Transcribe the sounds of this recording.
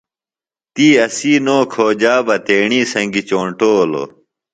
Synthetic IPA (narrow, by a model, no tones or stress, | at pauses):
t̪iːɐsiːnoːkʰoːd͡ʑaːbɐt̪eːɳiːsɐ̃ŋɡit͡ɕoːɳʈoːlo̰